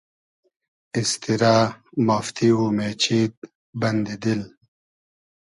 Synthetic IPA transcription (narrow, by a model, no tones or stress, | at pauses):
ist̪iɾaːmɐft̪iumeːt͡ɕʰiːt̪̚ | bɐnd̪id̪il